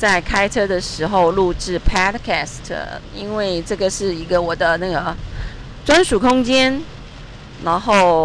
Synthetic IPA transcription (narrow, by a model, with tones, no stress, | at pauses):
t͡sa˥˩ɪkʰa˥ɪʈ͡ʂʰɤ˥d̪ə˨ʂɻ̩˧˥xo˧ʊlu˥˧ʈ͡ʂɻ̩˥˩pʰa˥d̪kʰa˥˩stʰə̰˨˩i˥nwe˥˩˧ɪʈ͡ʂɤ˥˩ɡə˩ʂɻ̩˥˩i˧˥ɡə˧wɔ˨˩d̪ə˦na˥˩ɡə˩ | t͡swa˥nʂu˨˩kʰʊ˥ŋt͡ɕjɛ˥n | na˧˥nxo˥˩ʊ